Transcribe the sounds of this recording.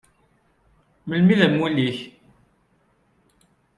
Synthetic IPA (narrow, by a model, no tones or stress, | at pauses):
məlmiðæmwuliç